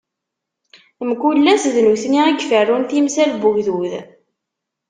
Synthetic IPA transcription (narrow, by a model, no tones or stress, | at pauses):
mkulːæsðnuθniæɡfərːunθimsælbʊʝðuð